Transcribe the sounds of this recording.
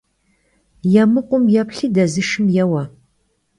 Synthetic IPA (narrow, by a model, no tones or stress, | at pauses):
jɛmɨqʷʊmjɛpɬiːdɐzɨʃɨmjɛwɐ